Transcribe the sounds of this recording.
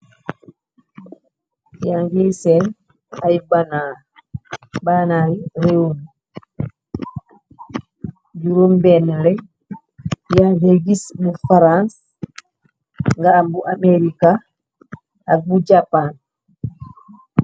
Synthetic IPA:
jaŋɡesɛn | ajbana | banaɾireum | d͡ʒuɾumbɛnlɛ | jaŋɡeɡisbufaɾãns | ŋɡaːmbuʔameɾika | ak̚bud͡ʒapan

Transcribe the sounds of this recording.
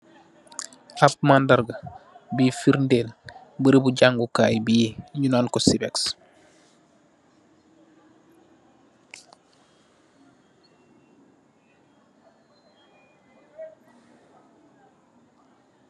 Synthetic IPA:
ap̚mandaɾɡa | biːfiɾndeːl | bəɾibuɟaŋɡukaːjbijeɲunaːlkosibeks

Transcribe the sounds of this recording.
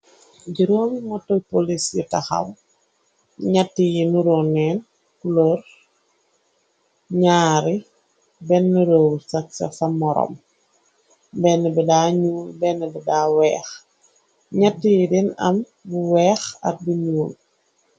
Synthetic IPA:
ɟiɾɔːmmɔtːɔpolisjitɐxɐ̰w | ɲɐtːijinuɾɔnɛːn | kuloɾ | ɲaːɾi | bɛnːuɾowsɐk̚sɐ̰fɐmɔɾɔ̰m | bɛnːɛbɛdaːɲuːlbɛnːɛbɛdaːwɛːx | ɲɐtːijidinɐ̰m | buwɛːxɐ̰t̚buɲuːl

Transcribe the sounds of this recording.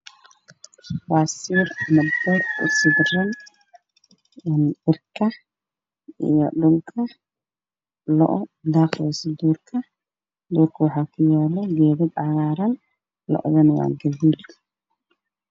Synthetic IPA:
faːsiːrmɐdb̪ɛrʊ̰sɪdrɐn | nʔɪrkʰɐ | ḭjɔɖʊlkʰɐ | lɔ̰ʔɔd̪aːqɛsɪd̪uːrkʰɐ | d̪ʊːrkʰɐwɑħɑːkʰʊjɛːlɛɡɛːðɪd̪ʕɑɣaːɾɐn | lɔ̰ʔɔ̰ðɐnwa̰ːɡɐðiːd̪

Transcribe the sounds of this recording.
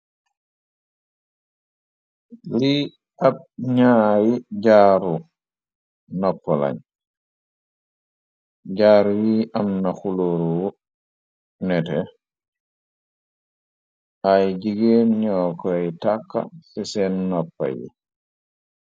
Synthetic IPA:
li | ab̚ɲaːjiɟaːɾu | nɔpːɔla̰ɲ | ɟaːɾwiʔamnaxuloɾuwu | nɛtɛ | ʔajɟiɡeɲɔkɔjtakːa̰sɛsɛnnɔpːa̰jḭ

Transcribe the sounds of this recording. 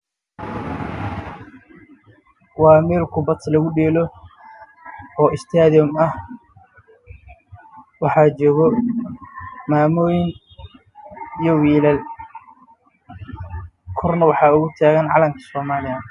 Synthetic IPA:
wɑːmɛːlkʰʊbɐt̪ʰlɐɣʊɖɛːlɔ | ɔːʔɪst̪ʰaːðɪjɔmɐh | wɑħɑːt͡ʃɔːɣɔ | maːmɔːjɪŋ | ijɔwiːlɐl | kʰɔrnɐwɑħɑːʊɣʊt̪ʰaːɣɐnʕɑ̰lɐmkʰɐ̥sɔːmaːlɪɐ

